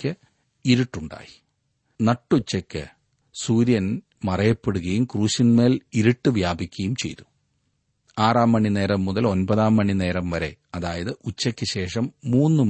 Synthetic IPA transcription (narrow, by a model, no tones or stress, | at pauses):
ɨ | iɾuʈːuɳɖa̰ːji | nɐʈːut͡ɕːɐkʲːɨ̰ | suːɾjɐn | mɐrɐjɐpːeɽuɣɐjumkruːɕinme̞ːliɾiʈːɨʋjaːbʱikʲːɐjumt͡ɕe̞̰jt̪u̥ | aːraːmːɐɳːine̞ːɾɐmːuðɐlo̞nbɐðaːmːɐɳːine̞ːɾɐmʋɐɾe̞̰ɐðaːjɐðɨʔut͡ɕːɐkʲːɨɕe̞ːʂɐmːuːnːɨm